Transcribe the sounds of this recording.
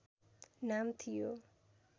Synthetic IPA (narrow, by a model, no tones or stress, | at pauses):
namt̪ʰijo